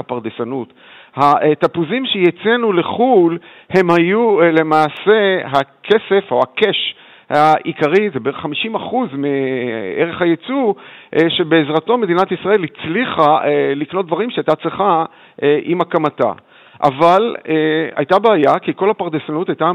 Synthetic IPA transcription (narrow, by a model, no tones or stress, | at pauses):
apaʁdesanut | hat̪apuzimʃejet͡senule̞χul | he̞mhajule̞maːse̞ɦakʰe̞se̞fo̞hake̞ʃ | haʔikaʁizebeeʁeχːamiʃimaχuzmieʁe̞χhajet͡suʔʃe̞beːzʁato̞me̞d̪inatisʁae̞lhit͡sliχaeliknot̚d̪vaʁimʃeajtat͡sleχa | ʔʔimakamata̰ | ʔa̰valea̰jt̪abaːjakiko̞lhapaʁd̪esanutajta